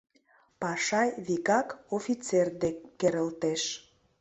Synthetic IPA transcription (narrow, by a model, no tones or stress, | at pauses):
pɑʃɑjβikɑkofit͡serd̪eːeɾəlt̪eʃ